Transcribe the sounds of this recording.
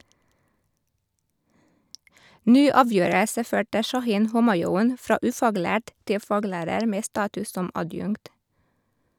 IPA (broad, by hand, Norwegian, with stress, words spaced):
ˈnyː ˈɑːˌʋjøːɾəsə ˈføːʈə ʃɑˈhiːn ˈhʊmɑˌjuːn ˈfɾɑː ˈʉːfɑːˌɡlæːʈ ˈtɪl ˈfɑːˌɡlæːɾəɾ ˈmeː ˈstɑːtʉs ˈsɔm ɑˈdjʉŋkt